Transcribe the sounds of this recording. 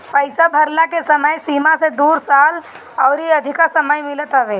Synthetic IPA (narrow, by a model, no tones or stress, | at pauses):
pəɪsabʱəɾlakesəməjsimased̪uːɾsaːl | ɔʊɾiəd̪ʱikasəməjmɪlət̪ɦəʋe